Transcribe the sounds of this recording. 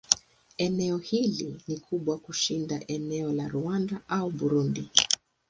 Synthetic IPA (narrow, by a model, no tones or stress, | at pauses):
ɛnɛɔhilinikʰuɓwakuʃindaʔɛnɛɔlaɾuandaʔauɓuɾundi